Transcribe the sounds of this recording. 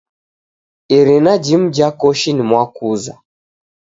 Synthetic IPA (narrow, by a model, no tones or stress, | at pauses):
iɾinad͡ʒim̩d͡ʒakɔʃinimwakuza